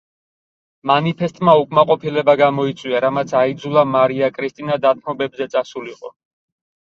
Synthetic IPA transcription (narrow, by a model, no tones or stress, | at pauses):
manipʰɛst̪ʼmaukʼmaqʼɔpʰilɛbaɡamɔit̪sʼwiaɾamat̪sʰaid̪zulˠamaɾiakʼɾist̪ʼinad̪at̪̚ʰmɔbɛbzɛt̪sʼasuliqʼɔ